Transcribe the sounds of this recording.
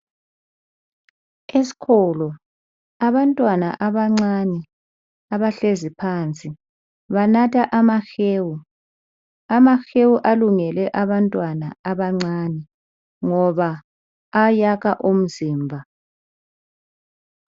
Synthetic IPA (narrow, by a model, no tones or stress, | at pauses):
esi̥kʰɔlɔ | aβantʼwana̰ʔaβaŋ͡ǀanɛ | aβaɬezipʰaːnt͡sʼi | βanatʰaʔamaxeːwu | amaxewuʔaluŋɛlɛʔaβantʼwanaaβaŋ͡ǀanɛ | ŋɔβaː | jakaʔum̩ziːmbʱa